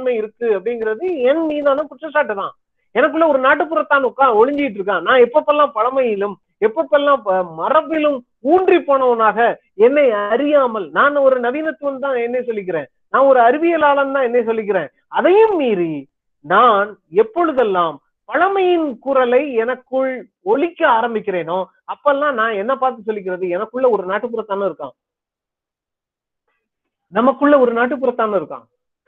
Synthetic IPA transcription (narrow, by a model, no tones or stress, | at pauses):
mɐɪɪɾɯkːɯɐpːɐɽɪŋɡɪɾɐðɯɛnmiːðãːnɯ̃ːkʊʈrɐsaːʈːɯt̪ãː | ɛnɐk̬ːɯɭːɐɔɾɯnaːʈ̬ːɯpːɯrɐt̪ːaːnʊkːaːɔɻɪɲd͡ʒɪjɪʈ̬ːɯɾɯk̬ːãːnãːɛpːɐpːɐɛlːãːmpɐɻɐmɐjɪlɯm | ɛpːɐpːɛlːãːmɐrɐpːɪlɯm | uːɳdripːoːɳɐʋɐnaːɣɐ | ɛnːɐɪɐɐɾɪjaːmɐlnaːnɔɾɯnɐʋiːnɐt̪ːɯʋɐmt̪̬ãːɛnːɐɪsɔlːɪk̬ːɪɾẽː | nãːɔɾɯɐɾɪʋɪjɐlaːlɐmt̪ãːɛnːɐɪsɔlːɪk̬ːɪɾẽː | ɐðɐjɯmmiːði | naːnɛpːɔɻɯðɛlːaːm | pɐɻɐmɐjɪnkʊɾɐlɐɪɛnɐkːɯɭ | ɔɭɪkːɐaːɾɐmbɪkːɪɾeːnoː | ɐpːɐɛlːãːnãːɛnːɐpaːɾt̪ɯs̬ɔlːɪk̬ːɪɾɐðɯɛnɐkːɯɭːɐɔɾɯnaːʈːɯp̬ːɯɾɐt̪ːaːnɐɪɾɯkːã̰ː | nɐmɐkːɯɭːɐɔɾɯnaːʈ̬ːɯp̬ːɯɾɐt̪ːaːnɐɪɾɯkːã̰ː